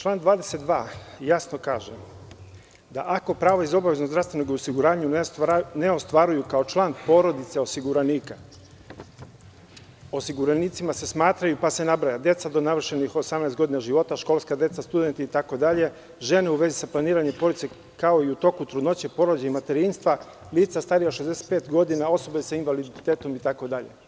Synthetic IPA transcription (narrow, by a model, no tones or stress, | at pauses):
t͡ʃlˠaːnd̪ʋaːd̪ese̞t̪̚d̪ʋaːjasno̞kaːʒe | d̪aʔako̞pɾaːʋaizo̞baʋeznozd̪ɾafst̪ʋe̞noɡosiɡuɾaːɲunneo̞st̪ʋaɾujukao̞t͡ʃlˠaːnpo̞ɾo̞d̪it̪seo̞siɡuɾaniːka | o̞siɡuɾaniːt̪simase̞smaːt̪ɾajupase̞nabɾajad̪je̞t̪sad̪o̞naʋr̩ʃe̞nixo̞samnɛst̪ɡo̞d̪inaʒiʋo̞t̪aʃko̞lˠskad̪e̞t̪sast̪ud̪ent̪iːt̪ako̞d̪aʎe̞ | ʒe̞ne̞uʋe̞zisaplaniːɾaɲempo̞ɾd̪itse | kao̞iut̪o̞kut̪ɾud̪no̞t͡ɕepo̞ɾod͡ʑaimat̪e̞ɾinst̪ʋa | liːt̪sast̪aɾijaʃezd̪ese̥t̪̚peːt̪ɡo̞d̪inao̞so̞besainʋalid̪it̪e̞ːt̪o̞mit̪ako̞d̪aʎe̞̰